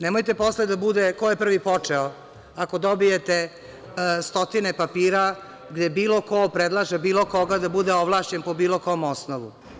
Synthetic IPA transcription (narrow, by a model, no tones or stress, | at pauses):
nemojt̪e̞posled̪abud̪ekojepr̩ʋipo̞t͡ʂeo | ako̞d̪obijet̪e | st̪o̞t̪inepapiːɾa | ɡd̪ebiːlˠo̞ko̞pɾed̪lˠaʒebiːlˠoko̞ɡad̪abud̪eoʋlˠaːʃt͡ɕenpobiːlo̞komosnoʋṵ